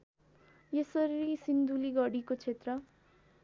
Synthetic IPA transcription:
jesʌɾiɾisind̪ʱuliɡʌɽikot͡sʰet̪rʌ

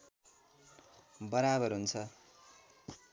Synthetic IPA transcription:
bʌɾabʌrɦunt͡sʰʌ

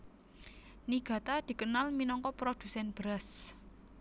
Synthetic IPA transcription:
niɡ̥ä̤t̪ad̪̥i̤kənalminɔŋkɔpɾod̪̥ṳsɛnb̥əɾas

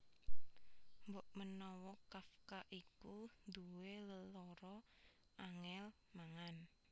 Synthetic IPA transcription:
mboʔmənɔwɔkafkaʔikund̪uweləlɔɾɔ | ʔaŋɛl | maŋan

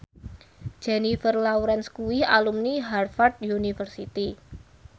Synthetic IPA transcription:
d͡ʒ̥enifərlauɾɛnskuwɪhalumniɦarfart̪̚junifərsit̪i

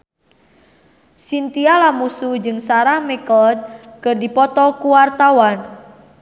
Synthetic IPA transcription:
sint̪ialamusud͡ʒɨŋsaɾahmɛkɔld̪̚kərdipɔt̪ɔkuwart̪awan

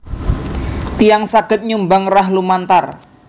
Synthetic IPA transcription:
t̪ijaŋsaɡ̥ə̤t̪̚ɲumbaŋraɦlumant̪ar

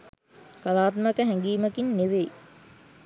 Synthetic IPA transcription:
kalaːt̪məkəɦæŋɡiːməkinːeʋej

